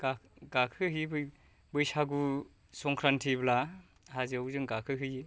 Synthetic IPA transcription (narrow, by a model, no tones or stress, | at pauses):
ɡaɡakʰɯɦibɯj | bɯjsaɡu | sɔŋkʰɾantʰibla | haziawzɯŋɡakʰɯɦɯji